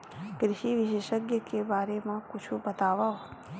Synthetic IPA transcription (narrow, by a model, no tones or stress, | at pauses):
kɾɪʃiʋiʃeʃəɡjəkebaɾemãkut͡ʃʰubət̪aʋaɦo